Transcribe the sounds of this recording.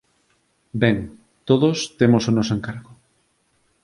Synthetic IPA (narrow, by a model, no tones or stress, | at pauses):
bɛŋ | t̪oðost̪emosonɔs̬oeŋkaɾɣʊ